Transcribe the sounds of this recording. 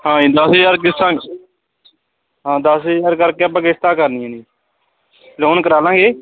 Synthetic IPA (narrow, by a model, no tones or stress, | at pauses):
hãːĩːd̪əsɪjaːɾkɪsãː | ɦãːd̪əsjaːɾkəɾkeːəpãːkɪst̪aːkəɾnɪjãːni | loːnkəɾaːlãːŋɡeː